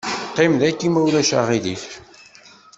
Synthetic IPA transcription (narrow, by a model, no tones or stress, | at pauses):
qːimðækːimæwlæʃa̰ʁiðiθ